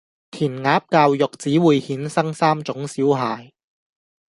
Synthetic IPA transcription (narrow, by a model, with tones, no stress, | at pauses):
t̪ʰiː˨˩nŋaː˨˥p̚kaː˧wjʊ˨k̚t͡siː˨˥wuː˨˧jhiː˨˥nsɐ˥ŋsaː˥mt͡sʊ˨˥ŋsiː˨˥wɦaː˨˧j